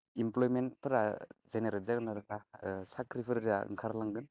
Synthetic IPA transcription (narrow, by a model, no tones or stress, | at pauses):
implɔjmentpʰɯɾazeneɾelzaɡɯnaɾɯkasakɾipʰɯɾɾaɯ̰ŋkʰaɾlaŋɡɯn